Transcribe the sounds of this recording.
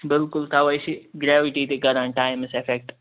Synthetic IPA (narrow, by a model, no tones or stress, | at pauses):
bɪlkʊlt̪ʰaʋɐjsiɡɾeːʋɪʈit̪eɡɐɾãʈaːɪmɪsefek̚ʈ